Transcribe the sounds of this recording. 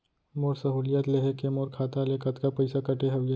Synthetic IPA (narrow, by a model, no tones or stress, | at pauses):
moːɾsɐɦuːlijat̪leɦekemoːɾkʰaːt̪alekɐt̪kapɐɪsakɐʈeɦɐʋjə